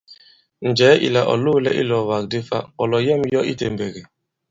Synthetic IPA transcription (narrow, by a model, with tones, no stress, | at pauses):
n̩˨d͡ʒɛː˨˦ʔḭ˨la˨ʔɔ̰˨lu˦lɛ̰˦ʔi˦lɔ˨wa˨k̚de˦fa̰˦kɔ˨lɔ˨jɛ˦m̩˦jɔ˦ʔi˦te˨m̩˨be˨ɡe˨